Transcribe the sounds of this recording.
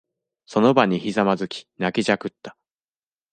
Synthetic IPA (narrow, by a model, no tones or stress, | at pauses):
so̞no̞baɲ̟içizamazɨkʲi̥nakʲiʑakɯ̟t̪ːḁ